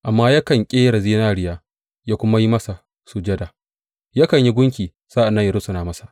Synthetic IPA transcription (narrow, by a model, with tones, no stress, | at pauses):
ʔa˨mːaː˦ja˦kɐ˨ŋkʲʼeː˦ɾa˨ziː˦naː˦ɽɪ˨jaː˦ | jaː˦kʷʊ˦ma˦ji˦mɐ˦sa˨ | su˨d͡ʒɐ˦da˨ | ja˦kɐ˨ɲji˦ɡʷʊ˦ŋkʲiː˨ | z̥aː˦ʔa˨nːɐ˦jɐ˨ɾʊ˦sʊ˨naː˨mɐ˦sḁ˨ʔ